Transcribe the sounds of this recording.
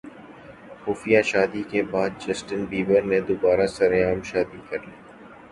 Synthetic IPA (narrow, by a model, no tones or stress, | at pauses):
xuːfijaʃaːd̪ikebaːd̪̚d͡ʒɐsʈənbiːbəɾnẽd̪ʊbaːɾasɐɾeaːmʃaːd̪ikɐɾleː